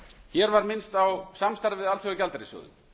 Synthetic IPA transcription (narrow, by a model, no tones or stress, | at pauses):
çɛɾvaɾmɪnst̪awsamst̪aɾðvɪðalʰjœɣʏcalt̪aɾisɔ̰ːðʏ̰